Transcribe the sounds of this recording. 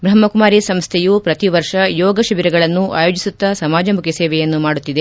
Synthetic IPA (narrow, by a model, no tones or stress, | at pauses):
bɾɐmːɐkumaːɾisɐmst̪ʰɛjupɾɐt̪iʋɐɾʂɐjɔːɡɐʃɐʋiɾɛɡɐɭɐnːuʔa̰ːjo̞ːd͡ʒisut̪ːɐsɐmaːd͡ʒɐmukʰesɛːʋɛjɐnːumaːɽut̪ːid̪e